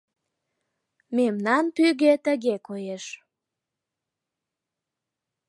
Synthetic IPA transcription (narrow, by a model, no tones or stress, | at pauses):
memnɑnpyɣet̪ə̆ɣekojeʃ